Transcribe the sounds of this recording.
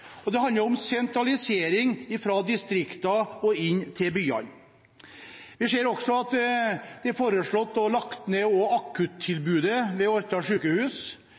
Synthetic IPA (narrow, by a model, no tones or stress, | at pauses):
ɔd̪ɛhɑnd̪əɾɔmsɛnt̪ɾɑlɪseːɾɪŋɪfɾɑːd̪ɪst̪ɾɪkt̪ɑɔɪnːt̪ʰɪlbyːɑ̰n | ʋɪseːɾɔksɔɑt̪d̪̥ɛæɾfoːɾəʂɭɔt̪ːɔlɑkt̪neːɔɑkʰːʉt̪ʰːɪlbʉːd̪əʋɛɔɾt̪ɑʂʉːkəhʉːs